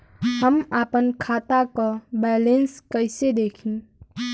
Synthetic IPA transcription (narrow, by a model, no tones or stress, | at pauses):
həmapənkʰat̪akɔbɛlenskəjsed̪ekʰin